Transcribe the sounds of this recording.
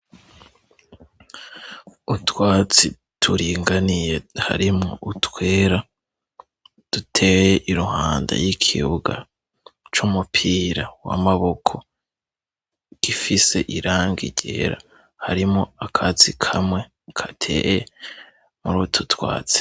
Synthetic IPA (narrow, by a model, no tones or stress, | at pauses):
utwaːt͡si | tʰuɾiːŋɡanije̞ha̰ɾimŋo̰ʔutʰwe̞ːɾa | d̥utʰe̞jeʔiɾuhaːnda̰jikʰḭβuɡa̰ | t͡ʃumupʰiːɾawa̰maβo̞kʰo̞ | ɡ̥ifise̞ʔiɾaːŋɡḭɟ̥ḛɾa̰ | haɾimŋoakʰat͡sikʰamŋwe̞ | kʰatʰḛje | muɾutʰutwa̰ːt͡si̥